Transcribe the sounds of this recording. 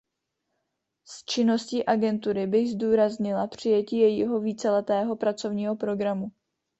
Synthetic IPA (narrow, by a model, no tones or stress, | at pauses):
st͡ʃɪno̞sciːʔaɡɛnt̪uɾɪbɪɣzduːɾazɲɪlapr̝̥ɪjɛciːjɛjiɦo̞viːt͡sɛlɛt̪ɛːɦo̞pɾat͡so̞vɲiːɦo̞pɾo̞ɡɾamu